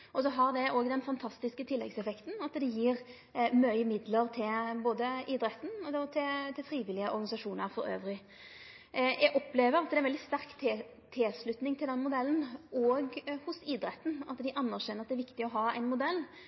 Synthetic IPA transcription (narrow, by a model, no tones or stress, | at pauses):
ʔɔsɔɦɑʁd̪ɛʔoːɡd̪ɛnfɑnt̪ʰɑst̪ɪskət̪ʰɪlːɛ̰ɡsɛfɛkt̪n̩ɑt̪d̪ɛjiːʁ | mœʏəmɪd̪ləɾt̪ʰɪlboːd̪əiːd̪ɾɛt̪ːn̩ɔt̪ʰɪlt̪ʰɪlfʁiːʋɪlɪəʔɔ̰ɾɡɑnɪsɑʂuːnəɾfɔɾø̰ːʋɾɪ | jʔɛɡɔpːleːʋəɾɑt̪d̪ɛnʋɛld̪ɪst̪æʁkt̪ʰː | t̪ʰɪslʉt̪nɪŋt̪ʰɪld̪ɛnːəmʊd̪ɛlːən̩ɔːɡhʊsiːd̪ɾɛt̪ːn̩ɑt̪d̪ɪʔɑnːæʁɕɛnəɾɑt̪d̪ɛæɾʋɪkt̪ɪɔɦɑːæ̰ɪnmʊd̪ɛlː